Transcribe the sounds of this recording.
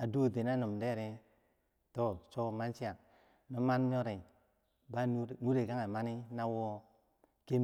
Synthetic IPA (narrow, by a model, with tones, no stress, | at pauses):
a˨du˦˨de˨na˦nu˨mde˦ɾe˦ | to˦t͡ʃo˦ma˦nt͡ʃi˦a˨ | no˦ma˦nɲo˦ɾe˨ | ba˦n˦˨nu˦ɾe˨ka˦ŋa˨ma˦ni˦na˦wo˦ | ke˦m